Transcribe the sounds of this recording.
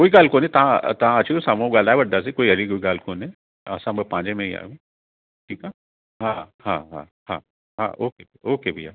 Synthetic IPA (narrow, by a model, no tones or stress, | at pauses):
koːiɡaːlkoːnẽt̪ɐɦãt̪ɐɦãɐt͡ʃʰʃʰikosaːmõɡaːlaːʋɐɽd̪as̬ekoːiɐɾikoːiɡaːlkoːnẽ | asãmbɐpãːd͡ʒemẽia̰ː | ʈʰiːka | ɦãhã̰ːɦã̰ | hã̰ː | ɦã̰ːʔoːkebioːkebʱia̰ː